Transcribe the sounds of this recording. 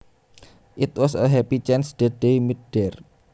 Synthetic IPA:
ʔɪt̪̚wɔsəɦɛpit͡ʃɛnsd̥əd̥ejmiɖ̥ɛr

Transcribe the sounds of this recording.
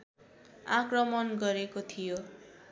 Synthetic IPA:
akrʌmʌnɡʌɾekot̪ʰijo

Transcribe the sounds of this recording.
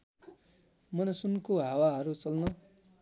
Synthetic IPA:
mʌnʌsunkoɦawaɦʌɾut͡sʌlnʌ

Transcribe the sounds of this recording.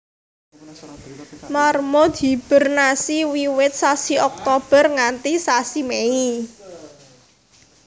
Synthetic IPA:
marmɔd̪i̤b̥ə̤rnasiwiwɪt̪̚sasiɔk̚t̪ɔb̥ə̤rŋant̪isasimei

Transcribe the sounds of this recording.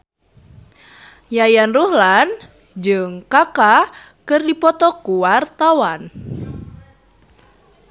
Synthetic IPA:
jajanruhlan | d͡ʒɨŋkaka | kɨrdipɔt̪ɔkuwart̪awan

